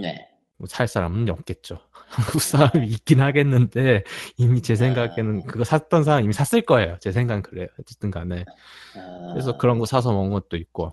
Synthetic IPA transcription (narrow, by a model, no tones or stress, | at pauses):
nḛ | mʌsʰaɭs͈aɾa̰mɯnjʌk̚k͈e̞t̚t͡ɕ͈o | haŋɡuk̚s͈aɾamiːk͈inɦaɡe̞nːɯnde̞imit͡ɕe̞s̬ʰe̞ŋɡakʰenɯnkɯɡʌsʰat͈ʌnsʰaɾamimisʰas͈ɯɭk͈ʌe̞jot͡ɕe̞sʰe̞ŋɡankɯɾe̞joeʌt͈ɯnɡane | kɯɾesʰʌkɯɾʌnɡʌsʰasʰʌmʌnɡʌt̚t͈oit̚k͈o